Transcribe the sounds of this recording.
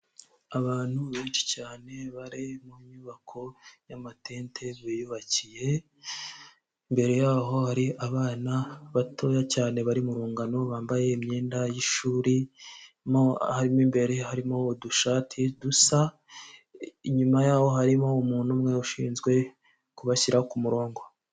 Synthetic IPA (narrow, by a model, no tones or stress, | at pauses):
aβaːn̥huβe̞ːnʃi̥caːne̞βaɾimuɲuβakʰo̞jamate̞ːntʰe̞βijuβacije̞ | imbe̞ɾejaːɦo̞haɾiaβaːnaβatʰo̞jacaːne̞βaɾimuɾuːŋɡano̞βaːmbaje̞imɲe̞ːndajiʃuːɾi | mohaɾimimbe̞ɾehaɾimoduʃaːtʰidusa | iɲumajaːho̞ɦaɾimo̞muːnhumŋeuʃḭːnzɡwe̞ | kuβaçiɾaokumuɾo̞ːŋɡo̞